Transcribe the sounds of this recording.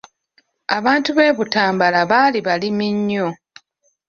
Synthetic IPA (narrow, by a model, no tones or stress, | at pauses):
aβaːntuβe̞ːβutaːmbalaβaːliβalimiɲːo̞